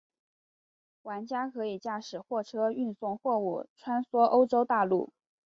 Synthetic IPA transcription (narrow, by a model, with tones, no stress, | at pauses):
wa˧˥nt͡ɕja˥kʰɤ˧˥i˨˩t͡ɕja˥˩ʂɻ̩˨˩xwɔ˥˩ʈ͡ʂʰɤ˥y˥˧nsʊ˥˧ŋxwɔ˥˧ṵ˥˩ʈ͡ʂʰwa˥nswɔ˥ʔo˥ʊʈ͡ʂo˥ʊt̪a˥˧lṵ˥˩